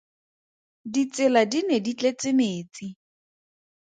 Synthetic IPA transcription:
dit͡sɪladinedit͡ɬet͡sɪmeːt͡si

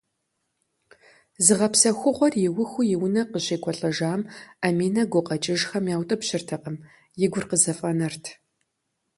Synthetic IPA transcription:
zɨʁɐpsɐxʷʊʁʷɔrjɪwʊxʷʊjɪwʊnɐqəɕʼeːkʷʰɔɬʼɐʒaːmamiːnɐɡʷʊqɐt͡ʃʼɪʒxɐmjaːwtʼɐpɕɪrtʰɐqʼəm | jɪɡʷʊrqəzɐfʼɐnɐrtʰ

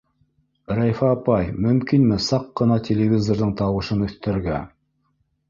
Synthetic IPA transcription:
ræjfæːpɑjmɵ̆mkinmɘsɑqːɤ̆nɑt̪ʲʰelʲevʲizorðɤɴt̪ɑwɤ̆ʃɤnɵ̆θt̪æɾɡæ

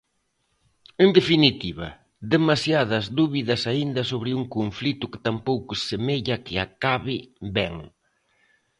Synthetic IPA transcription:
end̪efinit̪iβɐ̰ | ðemasjaðɐzðuβiðɐsaind̪ɐsoβɾɪuŋkoɱflit̪ʊkɪ̥t̪ampowkʊesemeʎɐkɪa̰kaβɪbɛŋ

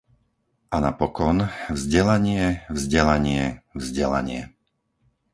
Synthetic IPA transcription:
ʔanapɔkɔnvzɟɛlaɲɪɛvzɟɛlaɲɪɛvzɟɛla̰ɲɪɛ

